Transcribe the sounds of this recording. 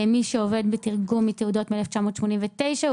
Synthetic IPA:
miʃeove̞d̪betiʁɡumːit̪eudo̞tmeeleft͡ʃamo̞ːt̪ʃmonimvet̪e̞jʃa

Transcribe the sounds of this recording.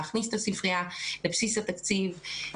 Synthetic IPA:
aχnist̪asifʁialepsisat̪akt͡siv

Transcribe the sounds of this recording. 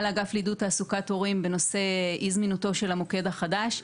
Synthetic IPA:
laɡaflidutaːsukato̞ʁimbe̞no̞se̞izminuto̞ʃe̞lamoke̞daχadaʃ

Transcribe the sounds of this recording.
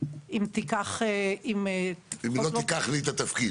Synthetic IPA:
imt̪ikaχeimeimlot̪ikaχlit̪ɐt̪ɐfki

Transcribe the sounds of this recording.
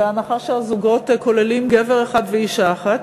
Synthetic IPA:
eanaχaʃeazuɡo̞t̪ko̞lelimɡeveʁeχad̪veiʃaχat

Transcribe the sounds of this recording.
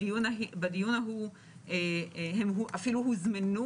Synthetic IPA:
ijunaibad̪ijunaɦu | ehemɦuʔafiluɦuzmanu

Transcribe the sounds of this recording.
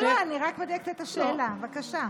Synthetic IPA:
loaniʁakmod̪ekt̪et̪aʃeːlavakaʃa

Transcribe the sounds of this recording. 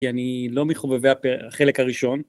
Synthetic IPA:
ianilo̞meχoveveapeaχe̞lekaʁiʃo̞n

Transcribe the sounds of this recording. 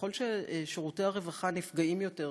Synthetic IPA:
o̞lʃeʃeʁuteaʁe̞vaχanifɡaimjo̞te̞

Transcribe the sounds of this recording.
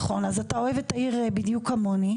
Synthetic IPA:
χo̞nazatao̞evetːaiʁbidjukamo̞ni

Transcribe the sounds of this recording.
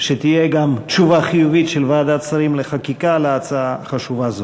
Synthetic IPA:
ʃet̪ijeɡamt͡ʃuvaχijuvit̪ʃelvaːd̪at͡saɾimleχakikaleat͡saaχaʃuvazo

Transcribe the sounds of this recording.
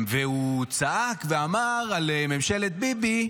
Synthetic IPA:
veut͡saʔakveamaʁaleme̞mʃelet̪̚bibi

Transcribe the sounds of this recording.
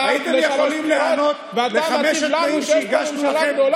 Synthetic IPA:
ait̪emjeχolimlehanot̪leχameʃatmaimʃeiʁɡaʃnuaem

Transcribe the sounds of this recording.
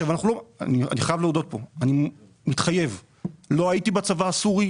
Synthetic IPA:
avanaχnulo̞nia̰niχajavleod̪o̞t̚po̞ani | mit̪χaje̞v | lo̞aitibat͡savaːsuʁi

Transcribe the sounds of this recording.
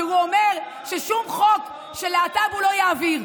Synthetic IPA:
huomeʁ | ʃeʃumχo̞k | ʃeleatavulo̞jaːviʁ

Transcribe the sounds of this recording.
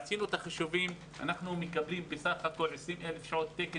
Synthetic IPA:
t͡sinut̪aχaʃuvim | ʔa̰naχnumikablimbesadχako̞lʕesʁimʔelefʃaʕot̪ːeke

